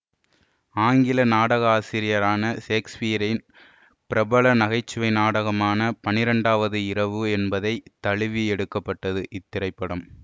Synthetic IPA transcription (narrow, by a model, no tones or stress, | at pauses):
aːŋɡɪlɐnaːɽɐɣɐaːsɪɾɪjɐɾaːnɐseːkspijɐɾɐɪn | pɪɾɐbɐɭɐnɐɣɐɪt͡ʃːɯʋɐɪnaːɽɐɣɐmaːnɐpɐnɪɾɐɳɖaːʋɐðɯɪɾɐʋɯɛnbɐðɐɪt̪ːɐɭɪʋiɛɽɯkːɐpːɐʈːɐðɯʔɪt̪ːɪɾɐɪpːɐɽɐm